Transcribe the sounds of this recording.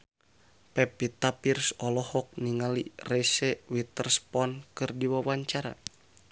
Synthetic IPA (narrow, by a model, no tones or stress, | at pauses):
pɛpit̪apirsɔlɔhɔk̚niŋalirɛsɛwit̪ərspɔnkɨrdiwawaɲt͡ʃaɾa̰